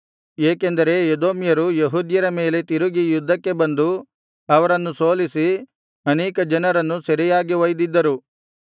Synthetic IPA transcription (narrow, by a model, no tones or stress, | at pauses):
eːkend̪ɐɾe̞jed̪oːmjɐɾujeɦuːd̪jɐɾɐme̞ːle̞t̪iɾuɡijud̪ʱːɐkːe̞bɐnd̪u | ɐʋɐɾɐnːuso̞ːlisi | ɐneːkɐd͡ʒɐnɐɾɐnːusɐɾijaːɡiʋɐjd̪id̪ːɐɾu